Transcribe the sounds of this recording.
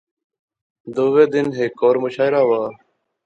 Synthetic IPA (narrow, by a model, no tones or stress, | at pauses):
d̪oːʋeːd̪ɪnɦeːkːoːɾmʊʃaːɪɾaːʋaː